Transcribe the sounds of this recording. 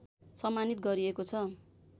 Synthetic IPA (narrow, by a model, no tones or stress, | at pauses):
sʌmːanit̪̚ɡʌɾiekot͡sʰʌ